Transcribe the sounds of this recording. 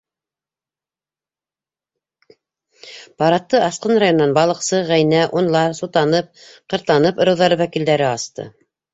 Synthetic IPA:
pɑɾɑt̪ːɤʔɑsqɤnrajonːɑnbɑlˠɤ̆qsɤʁæjnæʔunlˠɑsut̪ɑnɤp̚qɤ̆ɾt̪lˠɑnɤpɤ̆ɾɤ̆wðɑɾɤwækild̪æɾɘɑst̪ɤ̰

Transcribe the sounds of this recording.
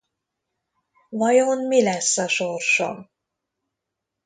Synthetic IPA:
vɒjonmilɛsːɒʃorʃo̰

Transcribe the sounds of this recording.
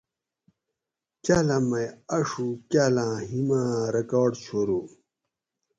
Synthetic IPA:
t͡ɕalɐmɐɐʂukaːlãːɦimãɾekaːɖt͡ɕʰoɾu

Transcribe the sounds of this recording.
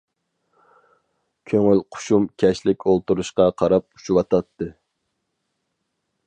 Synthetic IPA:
kʲʰøŋylqʰʊ̥ʃumkʲʰɛʃlɪkʲolˠt̪uɾuʃqɑqʰɑɾɑp̚u̥ʃuwɑt̪ʰɑt̪ʰːɨ

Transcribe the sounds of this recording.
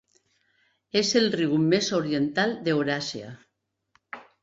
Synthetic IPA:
ezelriwmezoɾient̪alˠd̪eoɾasja̰

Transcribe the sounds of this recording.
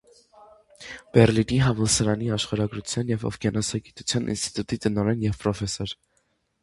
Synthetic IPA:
b̥ɛɾliniɦɑvɔlsəɾɑniɑʃχɑɾɑɡɾut͡sʰjɑnjɛvɔ̰fɡɛnɑsɑɡit̪u̥t͡sʰjɑnʔḭnst̪i̥t̪ut̪it̪ənɔɾɛnjɛvpɾɔfɛsɔɾ

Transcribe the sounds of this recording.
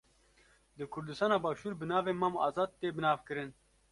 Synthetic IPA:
d̪ɨkʰʊɾd̪ɨst̪ɑːnɑːbaːʃuːɾbɨnɑːveːmamɑ̰ːzɑːd̪̚t̪eːbɨnɑːvkɨɾɨn

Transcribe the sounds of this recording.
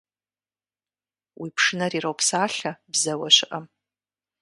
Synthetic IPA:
wʔipʰʂɨnaɾiɾowpʰsaːɬabzawaʃʷɪʔam

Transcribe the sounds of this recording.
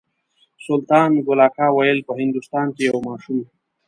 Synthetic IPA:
sʊlt̪ɑːnmiɡolɑːkɑːwɐjəlpəɦɪnd̪ust̪ɑːnkejawmɑːʃum

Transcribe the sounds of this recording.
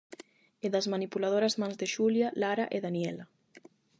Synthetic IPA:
eðazmanipulað̞oɾazmanzðeʃuljalaɾaʔeðanjɛla

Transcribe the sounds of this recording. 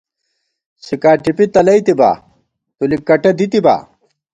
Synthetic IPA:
sikaːʈipit̪ɐlɐjt̪iba̰ː | t̪ulikːɐʈɐd̪it̪iba̰ː

